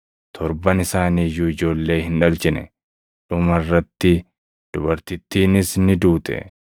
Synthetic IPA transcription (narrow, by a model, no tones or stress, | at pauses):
t̪ʰɔɾbɐnɪsaːniːjuːɪd͡ʒo̞ːlːe̞ːhɪnᶑɐlt͡ʃɪnɛ̰ | ᶑʊmɐrːɐt̪ːɪ | d̪̥ʊbɐɾt̪ɪt̪ːiːnɪsnɪd̪uːt̪ʼɛ̰